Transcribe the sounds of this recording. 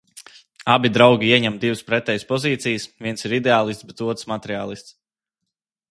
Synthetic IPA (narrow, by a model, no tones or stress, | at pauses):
abʲid̪ɾawɡʲiiɛɲɛmd̪ivəspɾɛt̪ɛːjspɔziːt̪sijəsvʲiɛnsiɾid̪eaːlˠist̪bɛt̪uɔt̪ɾsmat̪ɛɾiaːlˠist̪s